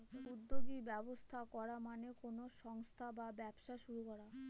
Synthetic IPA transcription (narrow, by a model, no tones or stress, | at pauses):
ud̪ːoɡibɛbost̪ʰakɔɾamanekonoʃɔŋst̪ʰababɛbʃaʃuɾukɔɾa